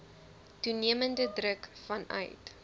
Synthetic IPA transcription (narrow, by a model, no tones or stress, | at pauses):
tuniəməndədrəkfɐnœ̰ɥt